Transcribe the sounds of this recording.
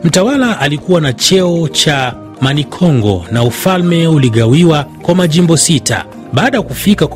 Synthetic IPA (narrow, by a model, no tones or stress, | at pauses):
m̩tawalaʔalikuwanat͡ʃɛɔt͡ʃa | manikʰɔŋɡɔ̰naufalmɛuliɠawiwakwamaʄimbɔsita̰ | ɓaːɗajakufika